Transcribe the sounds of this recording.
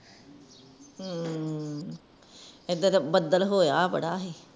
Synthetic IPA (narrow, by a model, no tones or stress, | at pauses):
uː | ed̪ət̪bəd̪əlɦoːjaːbə̰ɽaːɦeː